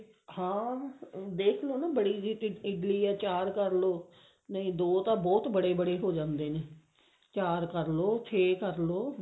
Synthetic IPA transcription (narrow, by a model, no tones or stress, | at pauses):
hãː | d̪eːkʰloːnãːbəɽiːd͡ʒiːʈɪɖliːɛːt͡ʃaːɾkəɾloː | nəĩːd̪oːt̪ãːbɔːt̪bəɽeːbəɽeːɦoːd͡ʒãːnd̪eːneː | t͡ʃaːɾkəɾloːt̪ʰeːkəɾloː